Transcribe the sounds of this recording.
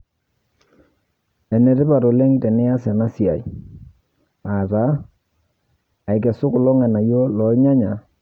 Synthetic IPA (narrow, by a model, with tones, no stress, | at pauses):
ɛ˨nɛ˨ɾɪ˦pa˨ɾo˨lɛ˦ŋtɛ˨nɛ˦ja˦sɛ˨na˦si˨a˨j | a˨ta˨˦˨ | i˨kɛ˨sʊ˦kʊ˨lɔ˦ŋɛ˨na˨jo˦lɔ˨˦ɲa˦ɲa˨